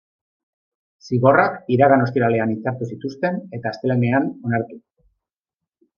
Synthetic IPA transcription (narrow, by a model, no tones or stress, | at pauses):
siβo̞rakiɾaɣano̞st̪iɾale̞anit͡saɾt̪usit̪ust̪e̞ne̞t̪aːst̪e̞lene̞ano̞naɾt̪u